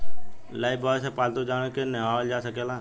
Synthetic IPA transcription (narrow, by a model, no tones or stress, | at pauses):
laːɪbaːsepaːlt̪od͡ʒaːɽ̃ẽkeneaːld͡ʒaːsəkeːlãː